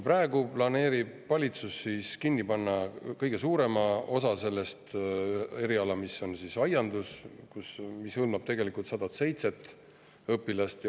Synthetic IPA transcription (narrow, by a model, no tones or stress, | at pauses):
prɑːeɡuplɑne̞ːɾib̥̚ːɑlʲit̪susːiːskinːipɑnːɑkɤjɡ̥e̞suːɾe̞mɑo̞sɑse̞lːest̪ | e̞ɾiɑlɑmiso̞nsisɑjɑnd̪̥uskusmishɤlmɑb̥̚t̪e̞ɡe̞likult̪sɑd̪ɑt̪se̞jt̪se̞t̪ | ɤpːˑilɑst̪j